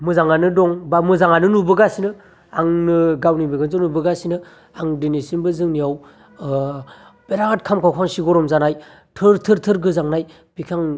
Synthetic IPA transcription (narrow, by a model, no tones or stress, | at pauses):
mɯzaŋanɯdɔŋbamɯzaŋanɯnubɯɡasinɯ | aŋnɯɡawnibɯɡɯnzɯnubɯɡasinɯ | aŋdinisinbɯzɯŋniaw | b̥eɾaɡat̚kʰamkʰawkʰaŋsiɡɔɾɔmzanaj | tʰɯɾtʰɯɾtʰɯɾɡɯzaŋnaj | b̥ikʰaŋ